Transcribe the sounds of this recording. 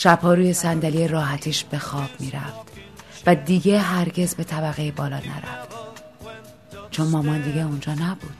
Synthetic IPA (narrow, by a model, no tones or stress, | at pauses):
ʃæphɒːɾuːje̞sænd̪æliːeɾɒːɦæt̪ʰiːʃb̥e̞xɒːb̥miːɾæ̰ft̪ | væd̪iːɟe̞ɦæɾɟe̞zbe̞t̪ʰæbæɣejebɒːlɒ̰ːnæ̰ɾæ̰ft̪ | t͡ʃʰo̞nmɒːmɒnd̪iɡeund͡ʒɒːnæbuːd̪̥